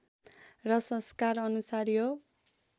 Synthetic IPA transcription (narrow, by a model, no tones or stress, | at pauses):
rʌsʌ̃skarʌnusaɾjo